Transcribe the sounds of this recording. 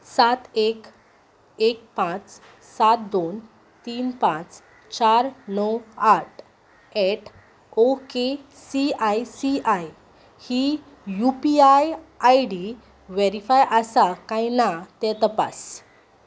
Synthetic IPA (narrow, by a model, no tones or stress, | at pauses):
sat̪ek | ek̚pãt͡s | sat̪̚d̪on | t̪iːnpãt͡s | t͡ɕaɾnɔwaʈ | ɛʈ | oke | siajsiaj | hi | jupiajajɽi | ʋeɾifajʔəsakãjinat̪ɛ̃t̪əpa̰s